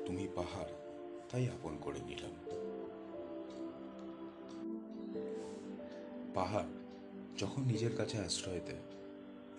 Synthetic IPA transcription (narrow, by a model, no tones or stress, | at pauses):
t̪umipaɦaɾ | t̪ajaponkoɾḛnḭlḛn | paɦaɾ | d͡ʑɔkʰonːid͡ʑeɾkat͡ɕʰeasɾɔɦojt̪ḛ